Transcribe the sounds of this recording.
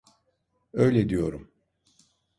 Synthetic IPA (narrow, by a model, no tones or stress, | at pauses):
øjlʲed̪ijo̞ɾum